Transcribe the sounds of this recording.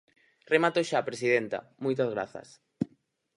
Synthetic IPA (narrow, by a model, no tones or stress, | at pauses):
remat̪oʃapɾesiðent̪ɐ̰mojt̪̬ɐzɣ̞ɾaθɐ̰s